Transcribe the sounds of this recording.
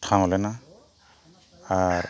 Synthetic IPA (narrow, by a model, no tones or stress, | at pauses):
tʰaŋɔlɛna | aɹ